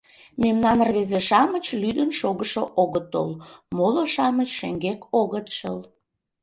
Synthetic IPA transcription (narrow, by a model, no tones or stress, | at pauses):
memnɑnrβezeʃɑmət͡ɕlyd̪ənʃoɣəʃoʔoɣət̪o̰lmoloʃɑmət͡ɕʃeŋɡekoɣət̪ʃəl